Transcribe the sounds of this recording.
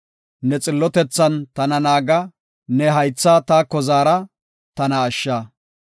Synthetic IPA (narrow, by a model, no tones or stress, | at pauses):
nɛt͡sʼɪlːɔt̪ɛt͡sːɐnt̪ɐnɐnaːɡɐ | nɛɦɐjt͡sːaːt̪aːkɔzaːɾɐ | t̪ɐnɐːʃːaː